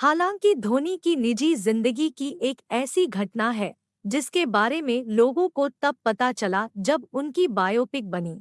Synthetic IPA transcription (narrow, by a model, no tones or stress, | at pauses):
haːlãːŋkid̪ʱoːnikinɪd͡ʒizɪ̃nd̪əɡikiʔeːkɛːsiɡʱɐʈnaɦɛː | d͡ʒɪskebaːɾemẽloːɡõkot̪ɐb̚pːɐt̪at͡ʃɐlad͡ʒɐbʊnkibaːjoːpɪk̚bɐniː